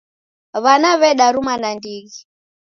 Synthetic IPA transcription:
βanaβɛɗaɾumanandiɣi

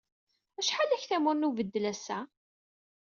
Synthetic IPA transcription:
æʃħalæçθæmʊɾnuvəd̪ːəlæsæ

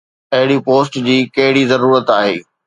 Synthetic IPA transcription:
ɐɦɪɽipoːsʈd͡ʑiːkɐɦɪɽizɐɾuːɾət̪aːɦeː

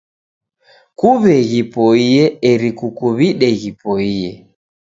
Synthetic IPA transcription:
kuβɛɣipɔiɛɛɾikukuβiɗɛɣipɔiɛ

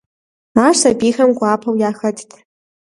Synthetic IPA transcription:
aːʂabiːxɐmɡʷaːpʰɐwjaːxɐtʰtʰ

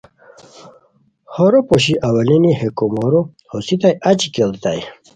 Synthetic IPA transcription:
hoɾopoɕ̬iʔawɐlinihekomoɾo | hosit̪ajʔat͡ɕikelt̪a̰j

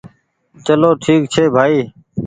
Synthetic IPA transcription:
t͡ʃəloːʈʰiːkt͡ʃʰeːbʱaːiː

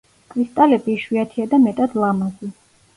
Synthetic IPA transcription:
kʰɾist̪ʼalɛbiːʃwiat̪ʰiad̪amɛt̪ʼad̪lˠamazi

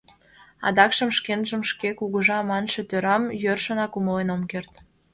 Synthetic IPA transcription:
ɑ̰d̪ɑkʃəmʃkenʒəmʃkekuɣəʒɑmɑnʃet̪øɾɑmjørʃə̆nɑkuməlenomkert̪

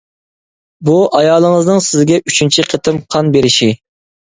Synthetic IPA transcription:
buʔɑjɑːlˠəŋəznɨŋsɪzɡʲɛʔyt͡ʃʰynt͡ʃʰiqʰət̪ʰɨmqʰɑnbeɾɪʃi

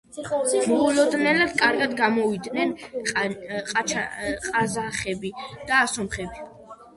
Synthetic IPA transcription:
mɔulɔd̪nɛlad̪kʼaɾɡad̪ɡamɔvid̪nɛnʼ | qʼat͡ʃʰqʼazaχɛbid̪̥aːsɔmχɛbi

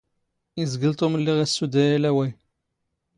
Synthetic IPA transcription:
izɡəlt̪ˤoməlːiʁæsːud̪æjælæwæj

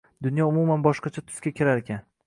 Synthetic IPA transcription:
d̪ʊnjɒʊmumanbɒʃqɑt͡ʃʰat̪ʰʊ̥skʲakʲʰɪɾaɾekʲʰan

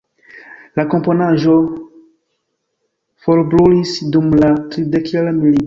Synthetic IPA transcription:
lakomponaʒo̞ | foɾbɾulisdumlatɾidekelmili

